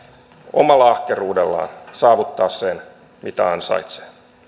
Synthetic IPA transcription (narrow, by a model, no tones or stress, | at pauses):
o̰mɑlːɑɑhkeruːdelːɑ̰ːnsɑːʋut̪ːɑːssen | mit̪æɑnsɑ̰it̪se̥